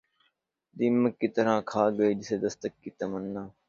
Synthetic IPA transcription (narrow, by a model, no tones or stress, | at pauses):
d̪iːməkːiːt̪əɾãːkʰaːɡəiːd͡ʒɪseːd̪əst̪əkːiːt̪əmənːaː